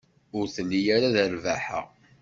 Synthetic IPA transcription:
ʊɾθənːijaɾaðəɾvæħə̰ʁ

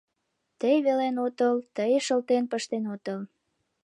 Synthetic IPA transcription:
t̪əjβelenot̪əlt̪əjʃəlt̪enpəʃt̪enot̪əl

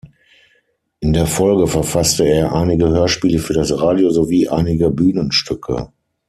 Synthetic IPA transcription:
ʔɪndeːɐfɔlɡəfɛɐfastəeːɐʔaɪnɪɡəhøːɐʃpiːləfyːɐɾasʁaːdjozoviːʔa̰ɪnɪɡəbyːnənʃtʰʏkʰə̰

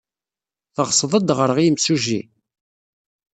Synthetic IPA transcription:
θəʁsˤðˤəd̪ʁəɾʁimsuʒḭ

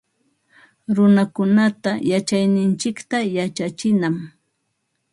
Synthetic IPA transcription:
ɾʊnakʊnat̪ajat͡ʃajnɪnt͡ʃɪkt̪ajat͡ʃat͡ʃɪnam

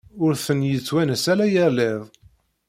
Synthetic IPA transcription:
ʊɾθənjət͡sːwænəsælæjəɾleðˤ

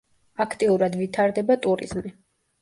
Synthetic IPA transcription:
akʰt̪ʼiuɾad̪vit̪ʰaɾd̪ɛbat̪ʼuɾḭz̥mi

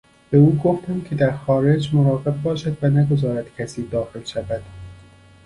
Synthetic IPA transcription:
b̥euːɡoft̪æmcʰe̞d̪æɾxɒːɾe̞d͡ʒmoɾɒːɣe̞b̚bɒːʃæd̪vænæɡo̞zɒːɾæd̪̥cʲʰæsiːd̪ɒːxe̞lʃævæd̪̥

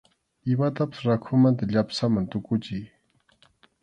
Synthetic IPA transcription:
ɪmat̪apḁsɾakʰʊmant̪aʎapsamant̪ʊkʊt͡ʃɪj

